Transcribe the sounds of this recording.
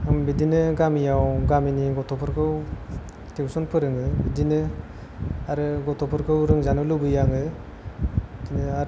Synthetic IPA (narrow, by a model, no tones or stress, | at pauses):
ɯmbidinɯɡamijawɡaminiɡɔtʰɔpʰɯɾkʰɯw | tewsɔnpʰɯɾɯŋɯbidinɯ | aɾɯɡɔtɔpʰɯɾkʰɯwɾɯŋzanɯlɯbɯjaŋɯ | dinɯaɾ